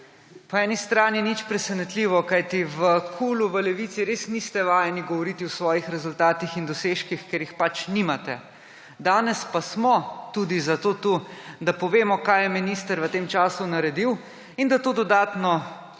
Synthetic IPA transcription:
pɔɛːnist̪ɾaːninit͡ʃpɾɛsɛnɛt̪liːʋɔkajt̪iʋəkʰuluʋəlɛʋiːt̪siɾeːsnist̪ɛʋaːjɛniɡɔʋɔɾiːt̪iwsʋɔːjixɾɛzult̪aːt̪ixind̪ɔseːʃkixkjeːɾjixpat͡ʃnimat̪ɛ | d̪aːnɛspasmɔt̪uːd̪izat̪oːt̪ud̪apɔʋeːmɔkaːjɛminist̪əɾʋət̪eːmt͡ʃaːsunaɾɛd̪iw | ind̪at̪oːd̪ɔd̪aːt̪nɔ

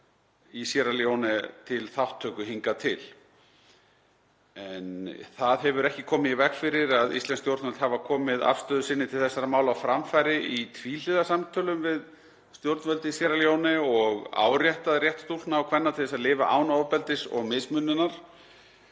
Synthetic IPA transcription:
isjɛɾaljownɪt̪ʰɪlθawht̪ʰːœːkʏɦiŋkat̪ʰɪ̰l | ɛnθaðɦɛvʏɾɛhcɪkʰɔːmɪðivɛkfɪɾɪɾaðist̪lɛnst̪jowɾt̪vœlt̪havakʰɔːmɪða̰fst̪œːðʏsɪnːɪt̪ʰɪlθɛsːaɾamaːwlawfɾamfajɾɪit̪ʰviːlɪðasamt̪ʰœlʏmvɪð | st̪jowɾt̪nvœlt̪ɪisjɛɾaljownɪɔɣa̰ːwrjɛht̪aðrjɛht̪st̪ult̪naːwkʰvɛnːat̪ʰɪðɛsaðlɪːva̰ʔaːwnaɔpɛlt̪ɪsɔ̰ɣmɪsmʏnːʏnaɾ̥

